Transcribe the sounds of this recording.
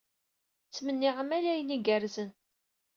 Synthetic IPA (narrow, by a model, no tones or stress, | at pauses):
t͡sːmənːiʁmælæjəniɡæɾzən